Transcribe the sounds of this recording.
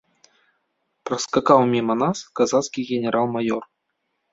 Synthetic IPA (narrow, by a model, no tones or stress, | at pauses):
pɾɐskakawmʲimɐnaskazat̪skʲiɣʲɛnʲɛɾalˠmajɔr